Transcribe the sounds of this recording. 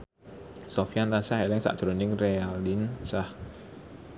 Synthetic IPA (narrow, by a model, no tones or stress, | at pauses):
sɔfiant̪ansahɛlɛŋsa̰ʔd̪̥ɾonɪŋrealinsah